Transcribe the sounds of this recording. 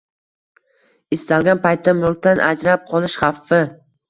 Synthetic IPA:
ɪst̪alɡʲanpajt̪ʰːamʊk̚t̪anʔa̰d͡ʒɾap̚qʰɒlˠɪʃχɑfːɪ

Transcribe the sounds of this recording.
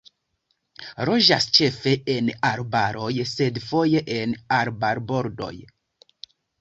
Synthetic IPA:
ɾo̞ʒa̰st͡ʃe̞fe̞enaɾbaɾo̞jse̞dfo̞je̞ʔenaɾbaɾbo̞ɾdo̞̰j

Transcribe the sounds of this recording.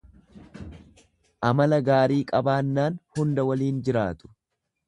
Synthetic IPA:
ʔɐmɐlɐɡaːɾiːkʼɐbaːnːaːnhʊnd̪ɐwɐliːnd͡ʒɪɾaːt̪ʊ̥

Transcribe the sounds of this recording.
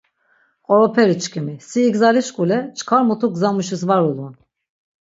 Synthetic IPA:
ɔɾɔpʰɛɾit͡ʃʰkʰʲimisiːɡzaɾiʃkʼulɛt͡ʃʰkʰaɾmut̪ʰukzamuʃɯsvaɾulˠun

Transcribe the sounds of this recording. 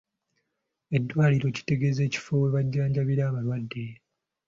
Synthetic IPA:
e̞dːwaːliɾo̞ci̥te̞ɡe̞ze̞ːci̥foweβaɟːaːɲɟaβiɾaːβalwadːe̞

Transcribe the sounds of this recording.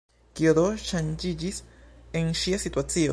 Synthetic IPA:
kjoðoʃand͡ʒid͡ʒiseŋʃiasit̪wat͡sijo̰

